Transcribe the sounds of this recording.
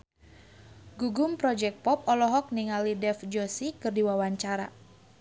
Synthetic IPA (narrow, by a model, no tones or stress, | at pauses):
ɡuɡʊmpɾɔd͡ʒɛk̚pɔp̚ɔlɔɦɔk̚niŋalidɛfd͡ʒɔsikɨrdiwawaɲt͡ʃaɾa